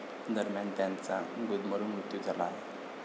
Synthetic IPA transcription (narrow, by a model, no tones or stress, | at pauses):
d̪əɾmjant̪jãnt͡saɡud̪məɾumɾut̪jut̪əlaːe